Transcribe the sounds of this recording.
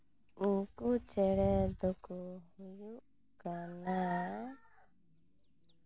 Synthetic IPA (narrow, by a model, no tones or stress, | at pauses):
ukut͡ʃɛɽɛd̪ɔkuhuju | kana